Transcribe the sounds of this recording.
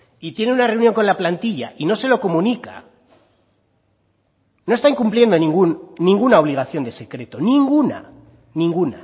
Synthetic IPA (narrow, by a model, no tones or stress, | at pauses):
it̪je̞neunare̞uwnjo̞ŋko̞nlaplant̪iʎa̰ʔino̞se̞lo̞ko̞mũnika̰ | no̞est̪aiŋkumplje̞nd̪onĩŋɡunːĩŋɡunao̞β̞liɣ̞aθjo̞nd̪e̞se̞kɾe̞t̪o̞nĩŋɡuna̰ | nĩŋɡuna